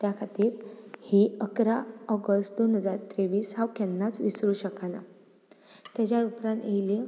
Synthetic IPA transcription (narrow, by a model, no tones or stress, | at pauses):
t̪jakʰat̪iːɾhiːəkɾaɔɡəstd̪onɦəd͡zaɾt̪ɾeʋiːshãwkɛnːat͡sʋisɾuːɕəkana | t̪jat͡ɕjaupɾãnt̪ejile